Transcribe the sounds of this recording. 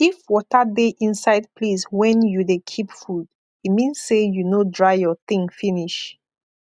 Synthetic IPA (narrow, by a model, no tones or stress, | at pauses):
ifwɔtədeʔĩnsaɪd̚pʰlizwɛ̃njudekʰipfud | itmĩnsːejunodɹaɪjɔθĩŋfĩniʃ